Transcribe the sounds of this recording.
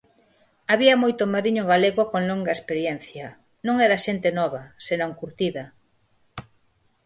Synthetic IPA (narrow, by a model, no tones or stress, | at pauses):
aβiɐmojt̪ʊmaɾiɲʊɣaleɣʊkoŋloŋɡɐespeɾjɛnθjɐ | nõŋɛɾɐʃent̪enɔβɐsenõŋkuɾt̪iðɐ